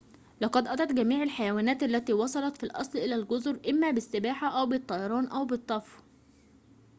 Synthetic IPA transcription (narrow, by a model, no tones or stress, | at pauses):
lɑqɑd̪ʔɑt̪ˤɑt̪ɡæmiːʕalħajæwæːnæːt̪ʔælːæt̪iːwɑsˤɑlɑt̪filʔɑ̰sˤlʔɪlælɡʊzɾʔɪmːæːbɪsːɪbaːħaʔæwbɪt̪ˤːɑjɑɾˤɑːnʔæwbɨt̪ˤːɑfw